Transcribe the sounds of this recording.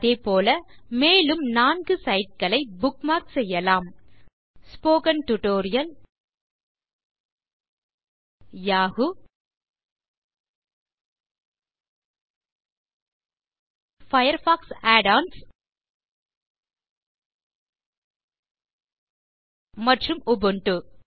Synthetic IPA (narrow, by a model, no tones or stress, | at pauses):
ðeːpoːlɐmeːlɯmnaːnɡɯsɐɪʈ̚kɐɭɐɪbʊkmaːksɛjːɐlaːm | spoːkɐnʈʊʈoːɾɪjɐl | jaːɣɯ | fɐjɐɾfaːksaːɖaːns | mɐʈrɯmʊbɯɳʈɯ